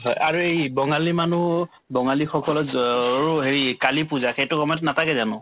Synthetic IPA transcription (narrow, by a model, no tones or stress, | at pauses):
ɦɔjʔaɹuejbɔŋalimanu | bɔŋalixɔkɔlɔɹuɦeɹikalipuzaxejtʊkɔmɔtnatʰakɛzanʊ̰